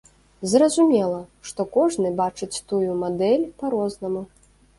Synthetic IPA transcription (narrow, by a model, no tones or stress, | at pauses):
zrɐzumʲɛlˠɐʂt̪ɔkɔʐnɨbat͡ʂɨt͡sʲt̪ujumad̪ɛlʲpɐɾɔznɐmu